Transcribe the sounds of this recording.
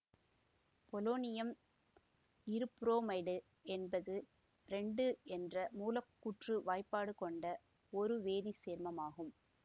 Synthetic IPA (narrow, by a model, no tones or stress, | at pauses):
pɔloːnɪjɐm | ɪɾɯpɾoːmɐɪɽɯ | ɛnbɐðɯ | ɾɛɳɖɯɛndrɐmuːlɐkːuʈrɯʋaːɪpːaːɽɯkɔɳɖɐ | ɔɾɯʋeːðiseːɾmɐmaːɣɯm